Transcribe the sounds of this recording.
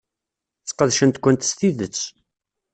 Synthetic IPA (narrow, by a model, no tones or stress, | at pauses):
t͡sːqəðʃənt̪kʷːənt̪st̪iðət͡sː